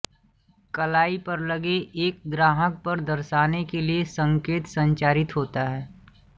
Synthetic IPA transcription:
kɐlaːipɐɾlɐɡeeːk̚ɡɾaːɦək̚pɐɾd̪ɐɾʃaːnekeliesə̃ŋkeːt̪sə̃ɲt͡ʃaːɾɪt̪ɦoːt̪aɦɛː

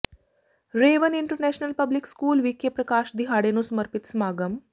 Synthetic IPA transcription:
ɾeːʋəniɳʈəɾnæɕnəlpəblikskuːlʋikepɾəkaʃd̪iɦaɽenusəməɾpit̪smaːɡəm

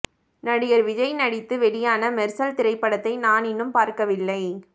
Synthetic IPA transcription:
nɐɽɪjɐɾʋɪd͡ʒɐɪnɐɽɪt̪ːɯʋɛɽɪjaːnɐmɛɾsɐlt̪ɪɾɐɪpːɐɽɐt̪ːɐɪnaːnɪnːɯmpaːɾkɐʋɪlːɐɪ

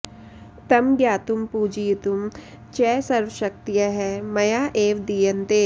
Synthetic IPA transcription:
t̪ɐmɡjaːt̪umpuːd͡ʒijt̪um | t͡ʃɛːsɐɾʋəʃɐk̚t̪ijaɦɛːmɐjaːʔeːʋd̪iːjɐnt̪eː

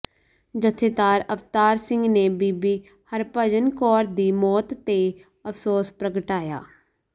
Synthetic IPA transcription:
d͡ʒət̪ʰːeːt̪aːɾəft̪aːɾsɪŋɡneːbiːbiː | həɾpəd͡ʒənkɔːɾd̪iːmɔːt̪ːeː | əpʰsoːspɾəɡəʈaːja̰ː

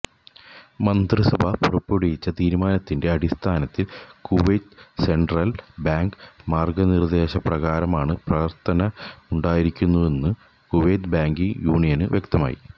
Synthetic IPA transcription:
mɐnd̪rɨsɐbʱɐpurɐpːoɽijit͡ɕːɐt̪iːɾumaːnɐt̪ːinde̞ɐɽist̪ʰaːnɐt̪ːilkuʋɐjʈse̞ɳɖrɐlbaːŋɡmaːrɡɐnird̪e̞ːɕɐprɐɣaːɾɐmaːɳɨprɐʋɐrt̪ʰɐnɐuɳɖaːjiɾikʲːunːue̞nːɨ | kuʋejʈbaːŋɡiŋjuːɳijɐnɨʋʔjek̚t̪ɐma̰ːjḭ

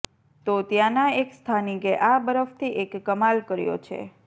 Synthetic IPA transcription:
t̪ot̪jãnaekst̪ʰanikeʔabəɾəft̪ʰiʔekːəmalkəɾjo̰t͡ʃʰḛ

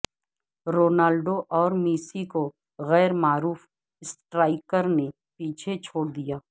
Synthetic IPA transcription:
ɾoːnaːlɖoʔɔːɾmiːsiko | ɣɛːɾmaːɾuːf | ɪsʈɾaːɪkəɾne | piːt͡ʃʰet͡ʃʰoːɽd̪ijaː

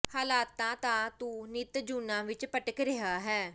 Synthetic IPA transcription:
haːlaːt̪ːãːt̪ãːt̪ũːnɪt̪d͡ʒuːnãːʋɪt͡ʃpəʈəkɾɪɦaːɦɛː

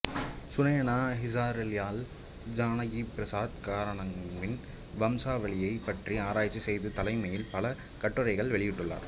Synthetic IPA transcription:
sʊnɐjɐnaːɦɪs̬aːɾljaːl | d͡ʒaːnɐjipɪɾɐsaːd̪̚kaːɾɐɳɐmːɪn | ʋɐmsaːʋɐɭɪjɐɪpːɐʈriaːɾaːjt͡ʃːisɛjðɯt̪ɐlɐɪmɐjɪlpɐlɐ | kɐʈːɯɾɐɪɣɐɭʋɛɭɪjɪʈːɯɭːa̰ːɾ

